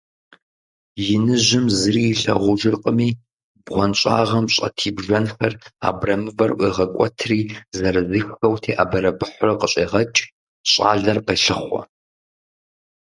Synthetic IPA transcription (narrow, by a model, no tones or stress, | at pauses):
jɪnɨʒɪmzɨriːjɬɐ̰ʁʷʊʒɪrqʼəmiː | bʁʷɔnɕʼa̰ːʁɐmɕʼɐ̰tʰiːbʒɐnxɐra̰ːbrɐmɨvɐrʔʷiʁɐkʷʼɔtʰriːzɐɾɨzɨxxɐwtʰeːʔaːbɐɾɐbɨħʷʊrɐqəɕʼeːʁɐt͡ʃʼ | ɕʼa̰ːɮɐrqeɬɨχʷɔ̰